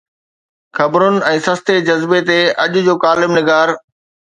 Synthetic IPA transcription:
xɐbɾʊnɪ̆ɛ̃ːsɐst̪ed͡ʑɐzbet̪eʔɐʄʊ̆d͡ʑoːkaːlɪmnɪɡaːɾ

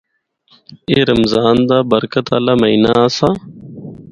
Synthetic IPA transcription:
eːɾəmzaːnd̪aːbəɾkət̪aːlaːməiːnaːaːsaː

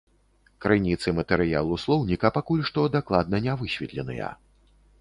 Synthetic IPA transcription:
kɾɨnʲit̪sɨmɐt̪ɛɾɨja̰lˠuslˠɔwnʲikɐpakulʲʂt̪ɔd̪aklˠad̪nɐnʲavɨɕʲvʲit̪lʲɛnɨ̰jɐ̰

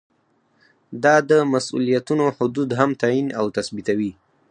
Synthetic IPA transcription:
d̪ɑd̪əmasṵlijat̪unohʊd̪ud̪ɦamt̪ainawt̪asbit̪awi

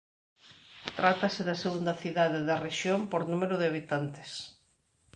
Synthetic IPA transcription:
t̪ɾat̪ɐsɪðɐseɣund̪ɐθiðaðeðɐreʃjompoɾnumeɾʊðɪaβit̪ant̪ɪ̥s

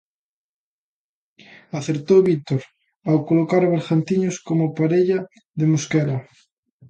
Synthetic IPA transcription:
aθeɾt̪owβit̪oɾ | awkolokaɾaβeɾɣant̪iɲoskomopaɾeʎa | ðemoskɛla

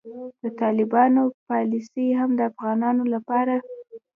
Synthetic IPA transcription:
d̪̥ət̪ɑlɪbɑnopɑlɪsiɦamd̪əafɣɑnɑnolapɑɾa

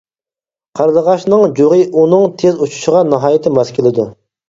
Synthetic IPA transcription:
qʰɑɾd̪əʁɑʃnɨŋd͡ʒoʁəʔunɨŋt̪ʰezut͡ʃʰu̥ʃəʁɑnɑɦɑːjɪt̪ʰɪmɑzkʲʰelˠɪd̪u

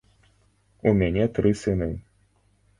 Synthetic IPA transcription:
umʲanʲɛt̪ɾɨsɨnɨ

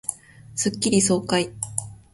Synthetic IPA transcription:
sɨkʲːiɾʲiso̞ːkai

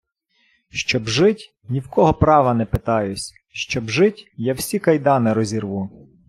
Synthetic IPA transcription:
ʃt͡ʃɔbʒɪtʲ | nʲiwkɔɦɔpɾɑʋɐnɛpɪt̪ɑjʊsʲ | ʃt͡ʃɔbʒɪtʲjawsʲikɐjd̪ɑnɪɾɔzʲirʋu

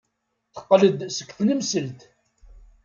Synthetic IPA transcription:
θə̥qːləd̪sə̥kʷːθnəmsəlt̪

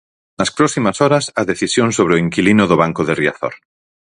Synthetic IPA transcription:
naspɾosimasoɾasaðeθisjonsoβ̞ɾeoiŋkilinoðoβaŋkoð̞eria̰θo̰ɾ

